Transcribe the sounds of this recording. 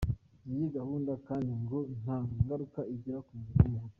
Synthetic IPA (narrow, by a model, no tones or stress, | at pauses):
nijiɡahuːndakaːndiŋɡon̥haːŋɡaɾukaiɟiɾakumuɾum